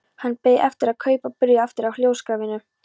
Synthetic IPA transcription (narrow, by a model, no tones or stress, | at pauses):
hanːpeːjʔɛft̪ɪɾaðkʰœːɥpapʏɾjaɛft̪ɪɾawljoːwskɾaːvɪnʏ